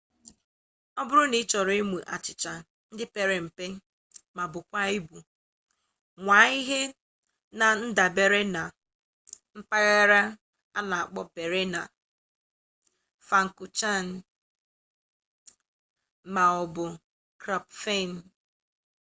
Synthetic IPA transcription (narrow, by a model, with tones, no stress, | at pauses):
ɔ˦bʊ˦ɾʊ˦ni˨˦t͡ʃɔ˨ɾe˦mu˨ʔa˨t͡ʃɪ˨t͡ʃa˨ | n̩˦dɪ˦pe˨ɾe˨m̩˨pe˦ | ma˨bʊ˨kʷa˦i˦bu˨ | ŋʷa˨˦i˦ɦe˦ | na˨n̩˦da˨be˨ɾe˦na˨ | m̩˦pa˦ɣa˦ɾa˦ | a˦na˨a˨k͡pɔ˦pe˨ɾe˦na˨ | fa˨ŋ̩˨ku˨t͡ʃa˦˨n̩˦ | ma˨ɔ˨bʊ˨ | kɾa˨pfe˦˨n̩˨˦